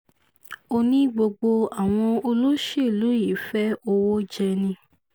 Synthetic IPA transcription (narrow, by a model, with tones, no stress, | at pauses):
o˧nĩ˦ɡ͡bo˧ɡ͡bo˧a˨w̃ɔ̃˧o˧lo˦ʃe˦˨lu˨˦i˨˦fɛ˦o˧wo˦d͡ʒɛ˧nĩ˧